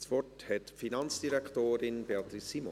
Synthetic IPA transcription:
svɔthɛtfinɑnt͡sd̥iɾɛkχtoːɾɪnb̥eɑt̪ɾisimo̰

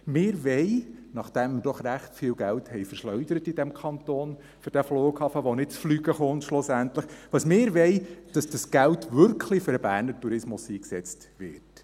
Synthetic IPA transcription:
mɪːɾʋɛɪnɑχd̥ɛmːəd̥ɔχɾæχtfiːlɡælthɛɪfəɾʃlœɥdəɾətid̥ɛmkʰɑnt̪oːn | fʏɾd̥æfloːɡ̥hɑfəʋɔnɪd̚t͡sflyːɡəχʊntʃlʊsæntləχʋɑsmɪːɾʋɛɪd̥ɑsd̥ɑsɡ̥æltʋʏɾkχlifʏɾəbæːɾnəɾtuɾɪsmʊsiːksɛt͡st | ʋɪ̰ɾt

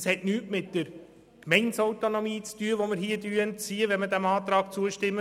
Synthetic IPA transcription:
shɛtnyːtmɪt̚d̥əɾ | kmɛɪnsɔwt̪onomiːt͡styəʋomɪɾɦiːədyəənt͡siːəʋɛnmədæmɑːt̪ɾɑːk̚t͡suəʃtɪmːə

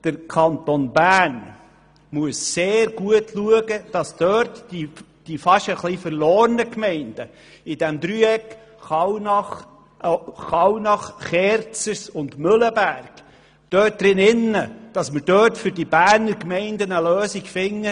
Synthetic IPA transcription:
d̥əɾkʰɑnt̪onbæːn | muəsːeːɾɡ̥uətʰluəɡəd̥ɑsd̥̪œːɾtːi | d̥ifɑʃəχlifəɾloːɾnəkmɛɪnd̥ə | idɛmd̪ɾyɛk | χɑwnɑχ | χɑwnɑχχɛːɾt͡səsʊndmɵləbæːɾɡ̥ | d̥œːt̚d̪ɾɪnɪnːəd̥ɑsməɾd̥œːtfʏɾdibæːɾnəɾkmɛɪndənəløːsiɡfɪŋːə

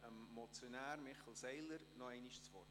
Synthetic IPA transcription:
əmːɔt͡sjonæːɾmɪχəl̩ˠsɛɪləɾnɔɛɪniʃt͡sʋɔrd

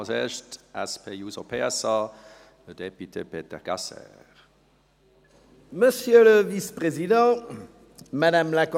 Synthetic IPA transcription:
seːɐʃtɛspʰejuːzopʰeɛsɑ | əd̪epyt̪ʰepeːt̪ɛʁɡ̥asɛ̰ː | ʁ | məsjøləvispχezid̪ɑ̃ | madamlak

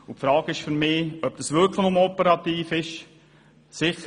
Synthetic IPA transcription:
ʊpfɾɑːɡ̥ɪʃfyɾmɪːœp̚d̥ɑsvʏɾkləχnʊmɔpəɾɑt̪iːfɪʃ | sɪχə

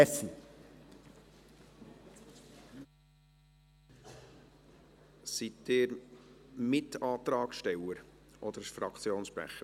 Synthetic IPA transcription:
si | sit̪ɪːɾ | mɪtɑːt̪ɾɑːkʃtɛwəɾʔɔd̥̪əɾsfɾɑkʰt͡sjoːnsʃpɾæ̰χə

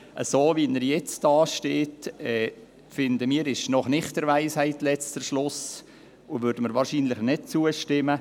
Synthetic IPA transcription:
ʔə̰soːviːnəɾjɛt͡sd̥ɑːʃteːtɛː | fɪnd̪əmiːɾɪʃnɔχnɪχtəɾʋæɪshaɪtlɛt͡stəʃlʊs | ʊʋøɾd̥əməɾʋɑːɾʃiːnlɪχnɪt̚t͡suəʃtɪmə

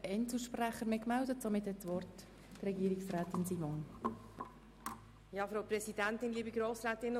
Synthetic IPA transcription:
ɛnsl̩ʃpræχəɾmekmældətsomɪthɛtsʋɔrt | rɛɡiːɾɪksrɛːtɪnsiːmon | jɑːfɾaʊpɾɛsidɛntɪnliːbiɡɾoːsɾɛːtɪn

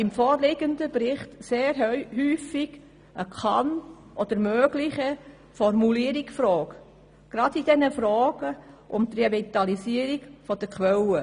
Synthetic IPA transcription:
ɪmfɔːɾlɪɡənd̪əbɾɪχtseːɾhyːfɪɡ̥ | ʔəkʰɑn | ʔɔd̥̪əɾmøːɡ̥lɪçə | fɔɾmuliəɾɪksfɾɔːk | ɡ̥ɾɑdidɛnəfɾɔːɡ̥əʔʊmt̪revit̪ɑlisiːəɾiɡ̥fɔd̥əkʰwɛlə

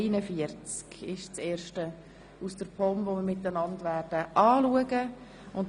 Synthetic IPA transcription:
nəfiəɾt͡skɪʃt͡seːɾʃtə | usd̥əɾpʰɔmvomɪɾmɪtːənɑndʋæːrd̥əʔɑːluəɡə | ʊnt

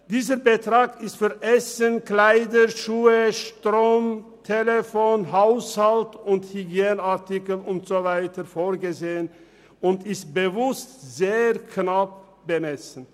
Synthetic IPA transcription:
d̥iːzəbətʁaːkɪstfyːɐʔɛsənklaɪdəʃuːəʃtʁoːmtʰelefoːnɦaʊshaltʊnthyɡjeːnaʁtɪkəl̩ʊntz̥ovaɪtəfoːʁɡəzeːən | ʊntɪst̚b̥əvʊstz̥eːʁknap̚ | b̥əmɛsn̩

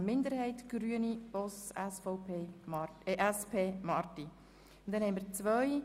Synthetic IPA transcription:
mɪnd̪əɾhɛɪtɡ̥ɾyənib̥ɔsɛsfɔʊpeː | ʔɛspʰeːmɑɾti | ʊntd̥̪ɛnhɛɪmiːɾt͡sʋœʏ

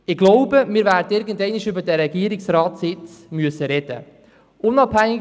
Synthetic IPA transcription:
ɪɡ̥loʊbəmɪːɾvæːɾdəɪɾɡəndɛɪniʃʏbədɛɾɛɡiːəɾɪksɾaːtsɪt͡smyəsəɾɛd̥ə̰ | ʔʊnɑphæŋːɪ

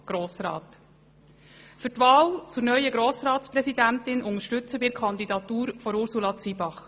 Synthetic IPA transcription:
ɡ̥ɾoːsɾɑ̰ːt̪ | fʏɾtʋɑːlt͡sʊɾnœʏəɡɾoːsɾɑːtspɾɛsidæntɪnʔʊŋəʃtɵt͡səbɪkʰχɑnd̪idɑt̪uːɾfɔɾʊɾsulɑt͡sibɑχ

